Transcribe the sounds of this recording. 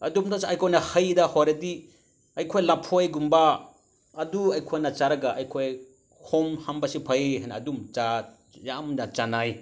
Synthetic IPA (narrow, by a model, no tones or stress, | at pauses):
ɐdumdasɐjkʰojnɐhɐjdɐhojɾɐdi | ɐjkʰojlapʰojɡumbaː | duɐjkʰojnɐt͡ʃaɾɐɡaʔɐjkʰoj | hʰomhambɐsipʰɐjhajnɐːdumt͡ʃa | jamnat͡ʃanaj